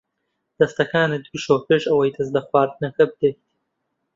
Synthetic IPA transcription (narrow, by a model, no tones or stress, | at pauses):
d̪̥ɐst̪ɐkaːnɨd̪uʃoːpeːʃɐwɐjt̪ʰɐzlɐxwɑːɾd̪ɨnɐxɐb̚d̪eht̪